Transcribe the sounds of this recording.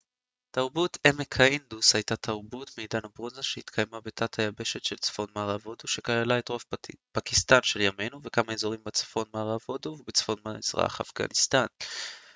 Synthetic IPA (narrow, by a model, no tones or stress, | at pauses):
taʁbutemekʰaindushajtatʰaʁbutmejdanabʁozaʃehit̪kʰajmabetʰathajabe̞ʃe̞tʃelt͡sfo̞nmaːʁavo̞duʃe̞kajalaetʁovpakist̪anʃe̞ljame̞jnuvekamaezo̞ʁimbet͡sfo̞nmaːʁavo̞duvebet͡sfo̞nmazʁa̰a̰χa̰fɡa̰nistan